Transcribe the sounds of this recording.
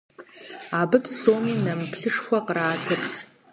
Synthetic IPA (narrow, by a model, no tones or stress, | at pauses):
abɨtʰsoːminɐmpʰɬɨʂxʷɐqraːtʰɨrtʰ